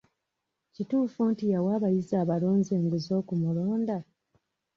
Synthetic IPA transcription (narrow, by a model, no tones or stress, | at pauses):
cituːfuntijawaːβajizaːβaloːnze̞ːŋɡuzo̞ːkumuloːnda